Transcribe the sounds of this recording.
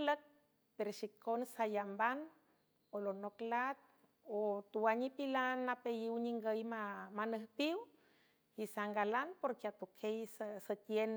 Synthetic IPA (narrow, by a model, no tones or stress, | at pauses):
lək̚ | peɾoʃikonsajamban | olonoklat̪̚ | ot̪uwaɲipilanːapejiwɲiŋɡəjmamanəhpiw | isaŋɡalanpoɾkeat̪ukʰejssət̪jen